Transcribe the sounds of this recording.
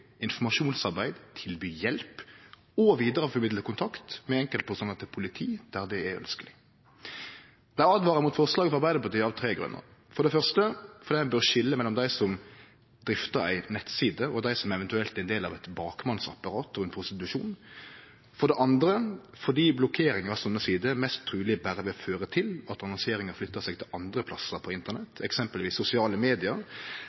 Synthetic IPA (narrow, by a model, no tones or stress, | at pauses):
ɪnfɔmɑʂuːnsɑʁbæɪd̪t̪ʰɪlbyːjɛlp | ɔʋiːd̪əɾəfɔmɪd̪ləkʊnt̪ʰɑkt̪mɛɛŋkəlt̪̚pʰɔsɔnɑt̪ːpʰʊlɪt̪ʰiːd̪̥æʁd̪ɛæœ̰nskəlɪ | d̪̥æɪɑːd̪ʋɑːʁəmʊt̪fɔslɑːɡəfɔɑɾbæɪd̪əpɑt̪ʰyːɑːʋt̪ʰɾeːɡɾʉ̰nːə̰ʁfɔɾɖ̪ɛfœʁst̪əfɔɾd̪iːɛbøːʁʃɪlːəmɛlːɔmd̪æɪsɔm | d̪ɾɪft̪əɾæ̰ɪnɛt̪siːd̪əɔd̪æɪsɔmɛʋɛnt̪ʉɛlt̪ɛɪnd̪eːlɑ̰ʋɛt̪bɑːkmɑnsɑ̰pːɑɾɑːt̪ɔʋɛnpʰɾʊst̪ɪt̪ʉʂuːn | fɔɖ̪ɛʔɑnd̪ɾə | fɔd̪iːblɔkʰeːɾɪŋəɾɑsɔnːəsiːd̪əmɛst̪ʰːɾʉːlɪbæɾəʋɪføːɾət̪ʰɪlɑt̪ɑnɔŋsɪeːɾɪŋəɾflʏt̪ːəsɛɡ̚t̪ʰɪlʔɑnd̪ɾəpʰlɑsəɾpʰɔɪnt̪əʁnɛt̪ːɛksɛmpəlʋiːsːʊsɪɑːləmeːd̪ɪəɾ